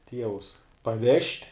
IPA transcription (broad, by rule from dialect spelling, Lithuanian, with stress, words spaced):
ˈtʲiɛʋʊs pɐˈʋʲɛʃʲtʲ